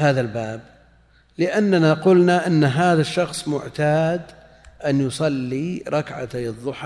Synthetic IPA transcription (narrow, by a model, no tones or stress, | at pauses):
haːðalbaːb | lɪʔanːanaqʊlnaʔɪnːɦaːðaʃːɑxsˤmʊʕt̪aːd̪ | ʔanjʊsˤɑlːiɾˤɑkʕa̰t̪aɨðˤːʊħ